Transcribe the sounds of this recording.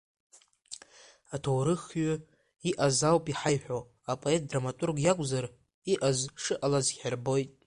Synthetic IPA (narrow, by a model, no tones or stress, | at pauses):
atʰowɾɨχɥʊ | iʔazawpʼiħajħʷᶣo | apʼo̞e̞tʼdramatʼurɡjakʷʼzar | iʔazʂɨʔalazɡʲarbo̞jtʼ